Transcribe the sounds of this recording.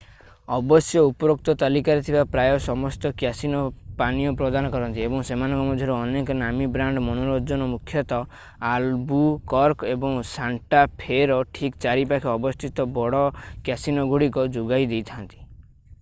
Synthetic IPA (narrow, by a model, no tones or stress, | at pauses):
ɔbɔsjɔupɔɾok̚t̪ɔt̪alikaɾet̪ʰibapɾajɔsɔmɔst̪ɔkjasinɔpanijɔpɾɔd̪anɔkɔɾɔnt̪iebɔŋsemanɔŋkɔmɔd̪ʱjɔɾuɔnekɔnamibɾaɳɖmɔnoɾod͡ʒɔnɔmukʰjɔt̪ɔ | albukɔɾkebɔŋsaɳʈapʰeɾɔʈʰikt͡ʃaɾipakʰiɔbɔst̪ʰit̪ɔbɔɽɔkjasinɔɡuɽikɔd͡ʒuɡajd̪ejt̪ʰant̪i̥